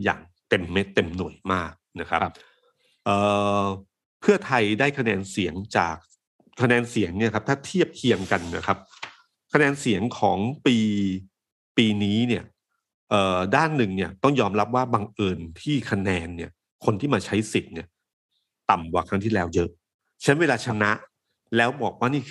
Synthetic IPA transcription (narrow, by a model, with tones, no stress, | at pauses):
ja̰ː˨˩ŋ | t̪e˧mːa˦˥t̪e˧mnu˨˩əjmaː˥˩k̚na˦˥kʰa˦˥p̚ | ʔɤː˨˩ | pʰɯ˥˩ɐt̪ʰa˧jdaː˥˩jkʰa˧nɛː˧nsi˩˦əŋt͡ɕa̰ː˨˩k̚ | kʰːa˧nɛː˧nsi˩˦əŋni˥˩ɐkʰa˦p̚t̪ʰaː˥˩t̪ʰi˥˩əp̚kʰi˧əŋka˧nːa̰˦˥˩kʰa˦˥p̚ | kʰa˧nɛː˧nsi˨˩˦əŋkʰɔː˩˦ŋpiː˧ | piː˧niː˦˥ni˥˩ɐ | ʔɤː˨˩daː˥˩nːɯ˨˩ŋni˥˩ɐt̪ɔ˥˩ŋjɔː˧mɾa˦˥p̚waː˥˩baː˧ŋʔɤː˧nt̪ʰiː˥˩kʰa˧nɛː˧nːi˥˩ɐ | kʰo˧nt̪ʰiː˥˩maː˧t͡ɕʰa˦˥jsi˨˩t̪̚ni˥˩ɐ | t̪a˨˩mkaː˨˩kʰɾa˦˥ŋt̪ʰiː˥˩lɛː˦˥wjɤ˦˥ʔ | t͡ɕʰa˦˥nweː˧laː˧t͡ɕʰa˧˥na˦˥ʔ | lɛː˦˥wbɔː˨˩k̚waː˥˩niː˥˩kʰ